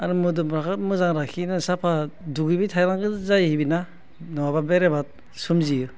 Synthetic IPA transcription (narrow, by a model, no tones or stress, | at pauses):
aɾɯmudumɾakʰatmɯzaŋɾakʰinɯsapʰaduɡɯbitʰajɾaŋɡɯzajhibina | nɔwababeɾebat̚ | sumzijɯ